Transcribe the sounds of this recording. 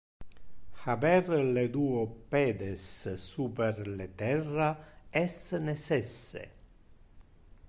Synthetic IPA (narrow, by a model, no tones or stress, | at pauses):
xabɛrled̪uːopɛːd̪esːuːperlet̪ɛrːaɛsːnesɛsːḛ